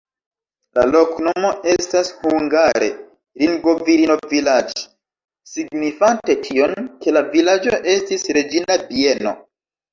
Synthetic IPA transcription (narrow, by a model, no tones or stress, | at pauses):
la̰lo̞kno̞mo̞ʔe̞stashuŋɡaɾe | ɾinɡo̞viɾino̞vilad͡ʒo̥ | siɡnifante̞tʰio̞nke̞lavilad͡ʒoʔe̞stisɾe̞d͡ʒinabie̞no̞̰